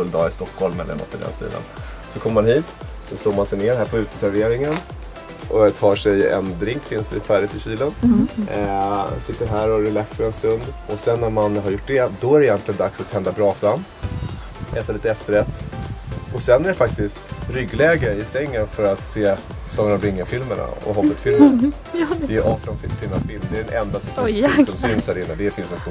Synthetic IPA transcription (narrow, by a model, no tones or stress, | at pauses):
ɵld̪ɑ̰ːɪst̪ɔkʰhɔlmːɛ̰ɛ̰mɔ̰t̪ːəd̪ɛ̰nst̪ḭːd̪ə̰n | sɔkʰɔmːəɾmanhiːt̪sɛnsloːɾmansɛjneːɾhæːɾpʰɔʉ̟ːt̪ə̥sæɾveːɾɪŋən | ʔɔt̪ʰɑːʂɛjɛ̰nd̪ɾɪŋkfɪnsɪ̰fæːɖɪt̪ɪɕiːlən | sɪt̪ːəɾɦæːɾɔɾɛlaksfəɾɛnst̪ɵnd̪ɔsɛnːæɾmanɦaɾjʊʈ̚ːɖɛd̪ɔæɾɛɪjɛnt̪lɪɡənd̪aksat̪hɛnd̪abɾɑːsanː | ʔɛːt̪aliːt̪ɛft̪əɾɛt̪ː | ɔsɛnːæɾɛfak̚t̪ɪst̪ɾʏɡlɛːɡəɪsɛŋːənfœɾat̪seː | sɔnːaɾɔmɾɪŋːəfɪlməɳa̰ɔ̰ɦɔət̪fɪlmə | ɪʔɑːʈɔnfɪfɪlːafɪlmd̪ɛɖɛnʔɛnd̪at̪ʰɪt̪ːsɔmsɪnshæːɾɪnːəd̪ɛfɪnsɛnst̪uː